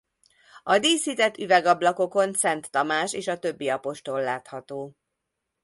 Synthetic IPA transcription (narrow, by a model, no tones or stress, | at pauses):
ɒd̪iːshit̪ɛt̪ːyvɛɡɒblɒko̞ko̞nsɛnt̪ːɒmaːʃeːʃɒt̪ø̞bːiɒpo̞ʃt̪o̞lːaːt̪hɒt̪oː